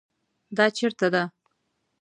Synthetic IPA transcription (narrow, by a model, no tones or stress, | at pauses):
d̪ɑt͡ʃeɾt̪ad̪a